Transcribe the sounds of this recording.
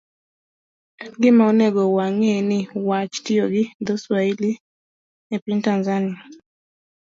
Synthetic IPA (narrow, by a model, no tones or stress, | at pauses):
ɡɪmaoneɡowaŋenɪwat͡ʃtɪoɡɪd̪ɔswaili | epintanzania